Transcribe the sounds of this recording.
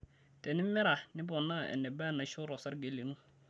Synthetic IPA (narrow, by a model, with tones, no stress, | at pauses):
tɛ˨nɪ˦mɛ˦ɾa˨nɪ˦bɔ˨nːa˦˨ɛ̰˨nːɛ˨ba˦˨na˨˦ʃɔ˦ɾɔ˨sa˦ɾɡe˨le˨nu˦